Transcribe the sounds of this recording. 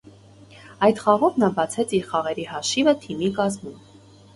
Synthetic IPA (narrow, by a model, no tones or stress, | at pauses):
ɑjt̪χɑʁɔvnɑbɑt͡sʰɛt͡sʰiɾχɑʁɛɾihɑʃivət̪ʰimikɑzmum